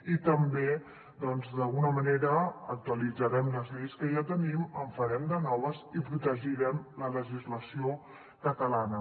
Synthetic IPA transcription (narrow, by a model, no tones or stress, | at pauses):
it̪əmbe | d̪ɔnzd̪əlˠɣunəməneɾəːk̚t̪uəlid͡zəɾɛmləzliskəʒat̪əniməɱfəɾɛmd̪ənɔβəzipɾut̪əʒiɾɛmlələʒizləsio | kət̪əlanə